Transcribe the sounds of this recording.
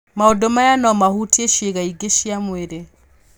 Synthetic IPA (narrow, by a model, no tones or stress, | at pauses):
maɔdɔmajanɔmahutieʃeɣaiɡeʃiamweɾe